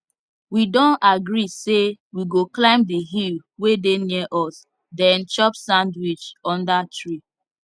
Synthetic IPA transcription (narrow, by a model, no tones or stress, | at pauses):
widɔ̃naɡɾisewiɡoklãɪ̃mdiɦilwedenɛʔɔs | dɛ̃nt͡ʃɔpsãndwit͡ʃɔ̃ndatɹi